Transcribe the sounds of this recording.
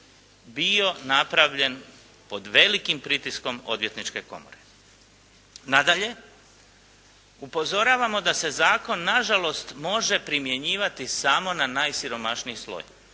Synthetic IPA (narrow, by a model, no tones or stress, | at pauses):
bio̞napɾaʋʎe̞n | po̞d̪ʋe̞likimpɾit̪isko̞mo̞̰d̪ʋje̞t̪nit͡ʃke̞ko̞̰mo̞̰ɾe̞ | nad̪aʎe̞ | upo̞zo̞ɾaːʋamo̞d̪ase̞zaːko̞nːaʒalo̞st̪mo̞ʒe̞pɾimje̞ɲiːʋat̪isamo̞nanaːjsiɾo̞maʃniislˠo̰j